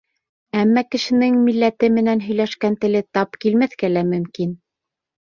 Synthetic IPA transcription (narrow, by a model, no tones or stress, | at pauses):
æmːækɘ̆ʃɘ̆nɘŋmilːæt̪ɘmɘ̆nænɦɵ̆jlæʃkænt̪ɘ̆lɘt̪ɑpkilmæθkælæmɵ̆mkin